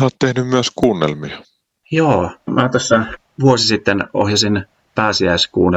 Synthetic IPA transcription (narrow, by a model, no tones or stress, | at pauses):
oːt̪t̪ehnymmyæskuːnːḛlmiɑ | joːmæt̪osːɑ | ʋuosisit̪ːeno̰hjɑsin | pæːsiæskuːnːe